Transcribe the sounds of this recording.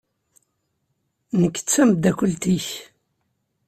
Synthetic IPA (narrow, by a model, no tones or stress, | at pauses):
nəkːə̥t͡sːæmd̪ækʷʊlt̪iç